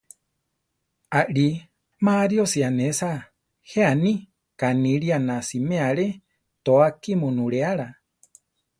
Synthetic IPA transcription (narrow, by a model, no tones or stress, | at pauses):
aʔɺi | maɾjosianesa | heanĩ | kanĩɺianãsimẽaɺe | t̪oakimunuɺeaɺa